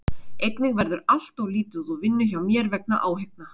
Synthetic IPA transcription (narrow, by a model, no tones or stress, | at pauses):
ejk̪nɪɣvɛɾðʏɾal̥t̪ɔɣliːt̪ʏðɔvɪnːʏçawmjɛɾvɛk̚na̰ʔaːwɦek̚na